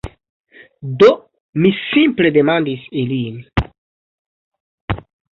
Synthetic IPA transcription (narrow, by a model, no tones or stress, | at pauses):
do | misimple̞de̞mandisilin